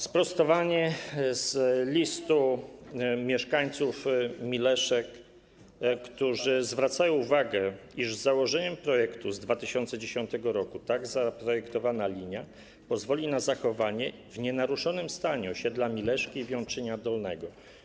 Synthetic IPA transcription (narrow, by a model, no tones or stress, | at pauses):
spɾɔst̪ɔvaɲɛz̥lʲist̪u | mʲjɛʂkaɲt̪sufmʲilɛʂɛkː | t̪uʐɘzvɾat̪sajɔ̃w̃uvaɡɛiʐzːawɔʐɛɲɛmpɾɔjɛkt̪uzd̪vat̪ɘɕɔnt̪sɛd͡ʑeɕɔnt̪ɛɡɔɾɔkut̪aɡzapɾɔjɛkt̪ɔvanalʲiɲa | pɔzvɔlʲinazaxɔvaɲɛ | vɲɛnaɾuʂɔnɘmst̪aɲuɔɕɛd̪lamʲilɛʂkʲiːvʲjɔ̃w̃t͡ʂɘɲad̪ɔlnɛɡɔ